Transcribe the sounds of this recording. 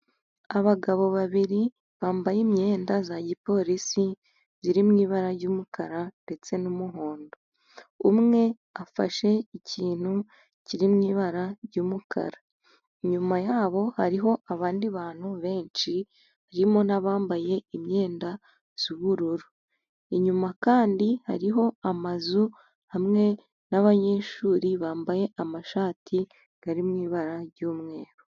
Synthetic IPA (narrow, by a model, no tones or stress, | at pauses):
aβaɡaβo̞βaβiɾi | βaːmbajimɲe̞ːndazaɟipo̞ɾisi | ziɾimŋiːβaɾaɾɟuːmukaɾande̞t͡se̞numuɦo̞ːndo | umŋe̞ | afa̰ʃe̞icʰiːn̥hu | ciɾimŋiːβaɾaɾɟuːmukʰa̰ɾa | ɲumajaːβo̞haɾiɦo̞ʔaβaːndiβaːn̥huβe̞ːnt͡ʃi | aɾimo̞naβaːmbaje̞imɲe̞ːnda | z̥uβuɾuɾu | iɲumakaːndiha̰ɾiɦo̞amazu | hamŋe̞ | naβaɲe̞ʃuːɾiβaːmbaje̞ʔamaʃaːtʰi | ɡ̥aɾimŋiːβaɾaɾɟuːmŋe̞ːɾo